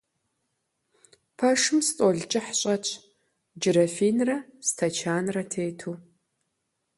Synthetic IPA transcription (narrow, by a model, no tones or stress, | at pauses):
pʰɐʂɨmst͡sʼɔɮt͡ʃʼɪħɕʼɐt͡ʃʰʼ | d͡ʒɪɾɐfiːnrɐstʰɐt͡ʃʰaːnrɐtʰeːtʰuː